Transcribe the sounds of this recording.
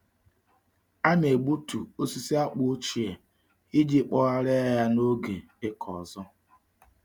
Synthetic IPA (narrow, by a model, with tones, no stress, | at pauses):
a˦m˦e˨ɡ͡bu˦tu˨o˦si˦si˦a˦k͡pʊ˦o˦t͡ʃi˨e˨ | i˦di˦k͡pɔ˦ɣa˦ɾe˦ja˦no˦ɡe˨ | e˦kʰɔ̰˨zɔ˦